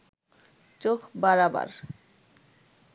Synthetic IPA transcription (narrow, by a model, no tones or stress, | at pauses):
t͡ɕokʰbaɾaba̰ɾ